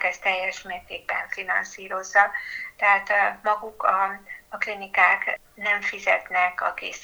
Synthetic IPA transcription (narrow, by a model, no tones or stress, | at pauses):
kɛst̪ɛjːɛʃmeːrt̪eːɡ̚bɛɱfinɒ̰nsiːɾo̞zːɒt̪ɛɦaːt̪mɒɡukɒɒklinikaːk | nɛɱfizɛt̪nɛkɒ̰kḛːs